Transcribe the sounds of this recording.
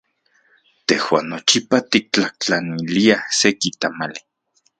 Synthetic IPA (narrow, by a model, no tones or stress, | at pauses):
t̪ehwa̰nːot͡ʃipat̪ik̚t͡ɬaht͡ɬaniliasekit̪amali